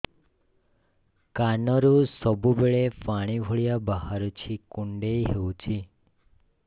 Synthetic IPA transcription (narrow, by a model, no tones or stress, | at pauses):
kanɔɾusɔbubeɭepaɽ̃ibʱoɭjabaɦaɾut͡ʃʰikuɳɖeiɦeũt͡ʃʰi